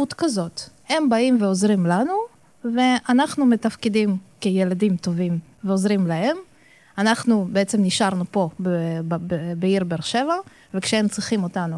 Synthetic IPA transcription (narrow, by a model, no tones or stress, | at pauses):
ut̪kazo̞t̪he̞mbaimveozʁimlanu | ve̞ʔanaχnumet̪afkid̪imkejelad̪imt̪o̞vim | veozʁimlaɦe̞m | anaχnubeet͡se̞mniʃaʁnupo̞bebeiʁbeɾoʃe̞va | ve̞kʃeemt͡sʁiχimo̞t̪anu